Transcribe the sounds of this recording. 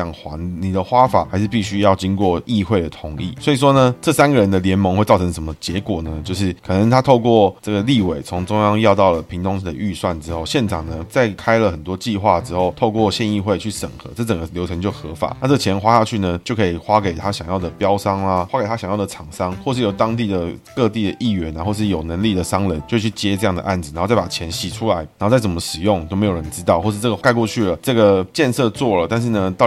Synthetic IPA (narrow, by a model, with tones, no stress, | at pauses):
ɑ˨˩ŋxwa̰˧˥ŋni˨˩d̪ə˦xwa˥fa̰˨˩xa˧˥ɪʂɻ̩˥˧pi˥˩ɕy˥jɑ˥˩ʊt͡ɕi˥ŋkwɔ˥˩i˥˧xwe˥˩ɪd̪ə˩t̪ʰʊ˧˥˦ŋḭ˥˩swɔ˧˥i˨˩ʂ̬wɔ˥nə˨ʈ͡ʂɤ˥˩sa˥nɡə˨ɻə˧˦nd̪ə˧ljɛ˧˥nmɤ˧˥ŋxwe˥˧ɪt͡sɑ˥˩ʊɤ˧˦ŋʂə˧˥mə˧t͡ɕjɛ˧˦˥kwɔ˨˩nə˦t͡ɕjo˥˧ʊʂɻ̩˥˩kʰɤ˨˩nə˧˦ŋt̪ʰa˥t̪ʰo˥˧ʊkwɔ˥˨ʈ͡ʂə˥˩ɡə˩li˥˨we˨˩ɪt͡sʰʊ˧˥ŋʈ͡ʂʊ˥ŋjɑ˥ŋjɑ˥˧ʊt̪ɑ˥˩ʊlə˩pʰi˧˥ŋt̪ʰʊ˥ŋʂ̩˥˩d̪ə˨˩ʔy˥˧swa˥˩nʈ͡ʂɻ̩˥xo˥˩ʊɕjɛ˥˩nʈ͡ʂʰɑ˨˩ŋnə˩t͡sa˥˩ɪkʰa˥ɪlə˨xə˨˩nt̪wɔ˥t͡ɕi˥˧xwa˥˩ʈ͡ʂɻ̩˥xo˥˩ʊt̪ʰo˥˧ʊkwɔ˥˨ɕjɛ˥˧ni˥˧xwe˥˧ɪt͡ɕʰy˥˩ʂə̰˨˩ŋxɤ̰˧˦ʈ͡ʂɤ˥˩ʈ͡ʂə˨˩ɡə˦ljo˧˥ʊʈ͡ʂʰə˧˦ŋt͡ɕjo˥˩ʊxɤ˧˥fa̰˨˩˦na˥˧ʈ͡ʂɤ˥˩t͡ɕʰjɛ˧˥nxwa˥ɕa˥˧t͡ɕʰy˥˩nə˩t͡ɕjo˥˩ʊkʰɤ˧˥i˨˩xwa˥ke˨˩ɪt̪ʰa˥ɕjɑ˨˩ŋjɑ˥˩ʊd̪ə˩pjɑ˥ʊsɑ˥ŋa˨wa˥kɪa˥ɕjɑ˨˩ŋjɑ˥˩d̪ə˩ɑ˨˩ŋsɑ˥ŋxwɔ˥˧ʂ̬ɻ̩˥˩jo˨˧˩ʊt̪ɑ˥ŋt̪i˥˩d̪ə˩kɤ˥˧t̪i˥˩d̪ə˩ʔi˥˩ɥɛ˧˥na˧nxɔ˥˧ʂɻ̩˥˩jo˨˩ʊnə˧˦nli˥˩d̪ə˩ʂɑ˥ŋlə˧˦nt͡ɕjo˥˧ʊ˥˧˩t͡ɕʰy˥˩t͡ɕjɛ˥ʈ͡ʂɤ˥˧jɑ˥˩ŋd̪ə̰˩ʔa̰˥˩nd͡z̩˨˩a˧˥xt͡sa˥˩pa˨˩t͡ɕʰjɛ˧˦˥nɕi˨˩ʈ͡ʂʰu˥la˧˦ɪa˨˧˥xo˥˧t͡st͡sə˩mə˦ʂɻ̩˨˩jʊ˥˩ŋt̪o˥ʊme˧˥jo˨˩ə˧˦nʈ͡ʂɻ̩˥t̪ɑ˥˧ʊxwɔ˥˧ʂɻ̩˥˧ʈ͡ʂɤ˥˩ɡə˩ka˥˧ɪkwɔ˥˧t͡ɕʰy˥˩lə˩ʈ͡ʂɤ˥˩ɡə˩t͡ɕjɛ˥˧nsɤ˥˧t͡swɔ˥˩lə˩t̪a˥˧nʂ̬ɻ̩˥˩nə˩t̪ɑ˥˨ʊ